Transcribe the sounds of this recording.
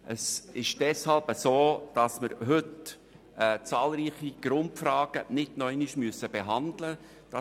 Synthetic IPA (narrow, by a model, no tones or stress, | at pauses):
ʔəsɪʃd̥ɛshɑlbəsoːd̥ɑsməɾɦʏt | ɛːt͡sɑːlɾiːχiɡ̥ɾʊntfɾɑːɡ̥ənɪdnœɪniʃmyəsəb̥eɦɑndlə | d̥ɑ